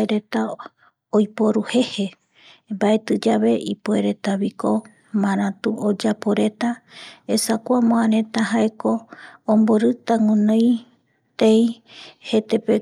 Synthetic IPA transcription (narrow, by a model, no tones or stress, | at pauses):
eɾet̪a | ojpo̞ɾuhe̞he̞ | mbae̞t̪ɨd͡ʒaβe̞ʔipoeɾe̞t̪aβiko̞ | mãɾ̃ãt̪uʔod͡ʒapoɾe̞t̪aesakʷamõaɾẽ̞t̪aɦaekõ̞ːmboɾɨt̪aŋũnõj | t̪ejhe̞t̪e̞pe